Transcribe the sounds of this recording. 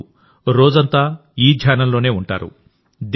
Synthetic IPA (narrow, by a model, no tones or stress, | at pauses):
ɾoːd͡ʒɐnt̪aː | iːd̪ʱjaːnɐmlo̞ːne̞ːuɳʈa̰ːɾṵ | d̪